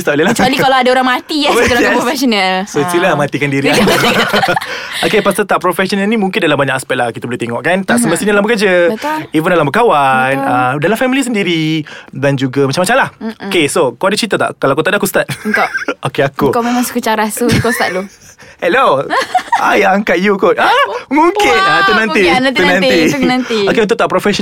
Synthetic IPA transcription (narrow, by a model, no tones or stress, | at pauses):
st̪aʔləlat͡ʃalikalaadaoɾaŋmat̪iafɛt̪əlapɾofɛsonalsost̪ilamat̪ikandiɾiaku | okepast̪at̪aʔpɾofɛsonəlnĩmuŋkɪndalambaɲakaspɛʔ̚lahkit̪abəleht̪eŋɔʔkant̪aʔsəməst̪iɲaalabəkəd͡ʒat̪ivənalambəkawanədalamfɛmilis̬əndiɾidand͡ʒuɡamat͡ʃamːat͡ʃamlahokesokoadət͡ʃɾit̪at̪a̰ʔkːalawakut̪aʔdakust̪at̪̚t̪ookeakukamemãŋsə̥kut͡ʃakɾasukostaʔ̚du | hɛlo | a̰jaŋkat̪̚jukut̪amuŋkɪnat̪uʔnãnit̪unãninãniokeunt̪ʊʔ̚t̪aʔpɾofɛs